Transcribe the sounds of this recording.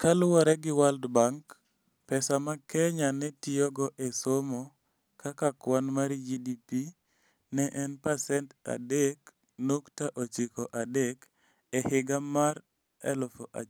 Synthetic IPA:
kalʊwɔɾɛɡɪwaldbaŋk | pɛsamakɛɲanɛtɪjɔɡɔʔɛsomɔ | kakakwanmaɾd͡ʒidipi | nɛʔɛnpasɛnta̰dek | nuktaʔot͡ʃikɔʔadek | ɛhɪɡamaɾ | ɛ̰lɔfɔʔa̰

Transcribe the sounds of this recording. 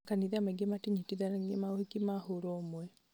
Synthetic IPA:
kaniðamaɡematiɲitiðaemaohikimahuɾɔːmwɛ

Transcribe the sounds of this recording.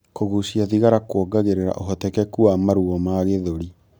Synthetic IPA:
koɣusiaðiɣaɾakwɔɡaɣeɾeɾa̰ʔoɦɔtɛkɛkuamaɾuɔmaɣeðoɾi

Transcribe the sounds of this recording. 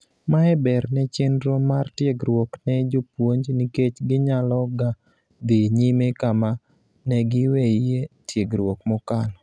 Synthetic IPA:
maɛbɛɾnɛt͡ʃɪndɾomartjeɡɾwoknɛd͡ʒʊpwoɲd͡ʒniket͡ʃɡɪɲalɔɡa | d̪ɪɲimekama | nɛɡɪwɛijetjeɡɾwokmɔkal

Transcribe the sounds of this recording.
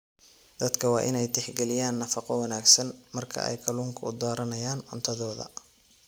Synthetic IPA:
d̪̥ɐd̪kʰɐwɑːʔɪnɛjt̪ʰɛħɡɛlɪjaːnːɐfɑqɔwɐnaːɡsɐnmɐrkʰɐ̰ʔɛ̰jkʰɐluːŋkʰɐʊd̪aːɾɐnɐjaːnʕʊnt̪ʰɐðɔːðɐ̰

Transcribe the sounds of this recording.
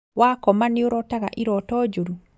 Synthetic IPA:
wakɔmanioɾɔtaɣa̰ʔiɾɔtɔd͡ʒoɾu

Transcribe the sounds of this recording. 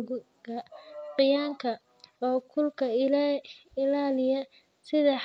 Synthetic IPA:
ɣʊ | ɡɐqɪjaːŋkʰɐ | ɔːkʰʊlkʰɐ | ɪlaːlɪjɐ | sɪðɐħ

